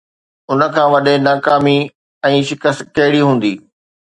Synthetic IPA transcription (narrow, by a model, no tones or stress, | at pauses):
ʊnə̆kʰãːʋɐɗenaːkaːmi | ɛ̃ːʃɪkəst̪kɐɦɪɽiɦũːn̆d̪iː